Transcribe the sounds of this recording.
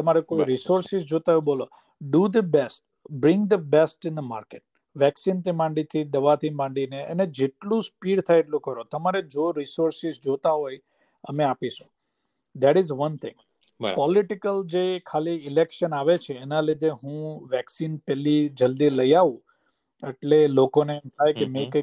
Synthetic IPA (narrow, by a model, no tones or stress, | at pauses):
t̪əmaɾekojɾisoɾsɪzd͡ʒot̪ajũbolo | ɖud̪əbɛsʈ̚ | bɾɪ̃ŋɡd̪əbɛsʈɪ̃nd̪əma̰ɾkeʈ̚ | ʋɛksint̪imãɳɖit̪ʰid̪əʋat̪ʰimãɳɖineʔə̰ned͡ʒeʈlũspiɽt̪ʰajeʈlũkəɾot̪əmaɾed͡ʒoɾisoɾsɪzd͡ʒot̪aɦoj | ə̰meapiʃũ̥ | d̪ɛʈɪzʋənt̪ʰɪ̰̃ŋɡ | bəpɔlɪʈɪkəld͡ʒekʰaliɪlɛkʃənaʋet͡ʃʰeːnalid̪eɦũʋɛksinpɛlid͡ʒəld̪iləjaʋũ | eʈlelokoneɛmt̪ʰajkemẽkə